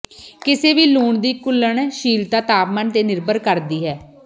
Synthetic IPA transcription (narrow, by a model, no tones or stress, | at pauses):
kɪseːʋiːluːɳd̪iːkʊlːəɳʃiːlt̪aːt̪aːpmənt̪eːnɪɾbəɾkəɾd̪iːɦɛː